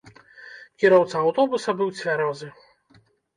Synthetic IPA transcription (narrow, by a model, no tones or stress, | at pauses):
kʲiɾɔwt̪sɐːwt̪ɔbusɐbɨwt͡sʲvʲaɾɔzɨ